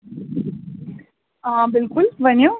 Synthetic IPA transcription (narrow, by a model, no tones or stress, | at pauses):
aːbɪlkʊlʋɐnju